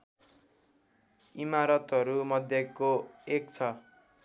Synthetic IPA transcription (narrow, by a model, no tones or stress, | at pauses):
imaɾʌt̪ɦʌɾumʌd̪ʱjʌkoekt͡sʰʌ